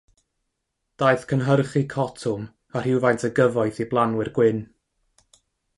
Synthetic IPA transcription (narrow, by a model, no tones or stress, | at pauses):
d̥aɨθkʰənɦərχikʰɔtʰʊm | ar̥hɪwvajntʰəɡəvɔjθiblˠanwɨrɡwɪn